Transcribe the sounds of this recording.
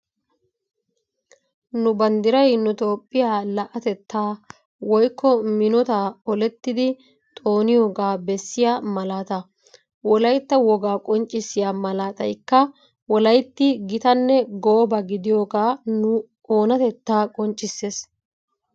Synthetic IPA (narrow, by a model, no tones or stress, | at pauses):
nʊbɐnd̪ɪɾɐjnʊt̪ʼoːpʼːɪjaːlɐʔɐt̪ɛt̪ːaː | wɔjkʰːɔmɪnɔt̪aɔlɛt̪ːɪd̪ɪ | t̪ʼo̞ːnɪjo̞ːɡaːbɛsːɪjamɐlaːt̪ɐ | wɔlɐjt̪ːɐwɔɡaːkʼɔnt͡ʃʼːɪsːɪjamɐlaːt̪ɐ̰jkːɐ | wɔlɐjt̪ːɪɡɪt̪ɐnːɛɡoːbɐɡɪd̪ɪjo̞ːɡaːnʊ | ʔoːnɐt̪ɛt̪ːaːkʼɔnt͡ʃʼːɪsːeːs